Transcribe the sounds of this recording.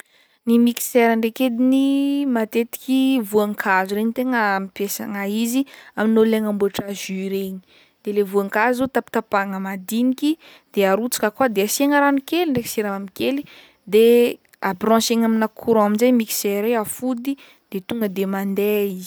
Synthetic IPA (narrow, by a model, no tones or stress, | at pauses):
nimiki̥sɛɾəɳɖ͡ʐeked̪inimat̪et̪i̥kʲivuaŋkʰazuɾeɲit̪eŋəmipesa̰ŋaiziaminoleŋambuaʈ͡ʂaʒyɾeɲi̥ | d̪̥elevuaŋkazot̪api̥t̪apaŋəmad̪iniki | d̪̥eaɾut͡sḁkəkuad̪easieŋəɾanukeliɳɖ͡ʐeki̥siɾaamikeli | d̪e | abrɔ̃seŋaminakʰuɾaaminzejmikseɾeafud̪i | d̪̥et̪uŋɡəd̪emand̪eizi̥